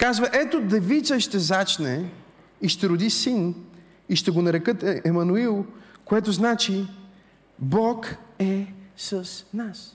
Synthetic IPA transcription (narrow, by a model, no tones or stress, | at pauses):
kazvəʔɛt̪od̪ɛvit̪səʃt̪ɛzat͡ʃnɛ | iʃt̪ɛɾʊd̪isin | iʃt̪ɛɡonɐɾɛkɤt̪ɛmɐnuilˠkoɛt̪oznat͡ʃi | bɔkɛsəsnas